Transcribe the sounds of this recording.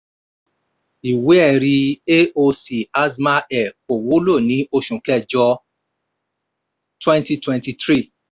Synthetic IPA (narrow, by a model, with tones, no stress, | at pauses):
i˨we˨˦ɛ˦˨ɾi˧e˦o˧si˨a˦sma˦ʔɛ˨ko˨wu˨˦lo˦˨nĩ˨˦o˧ʃũ˨kɛ˦˨d͡ʒɔ˧ | twɛ̃˦nti˧twɛ̃˧nti˧tɾi˦˨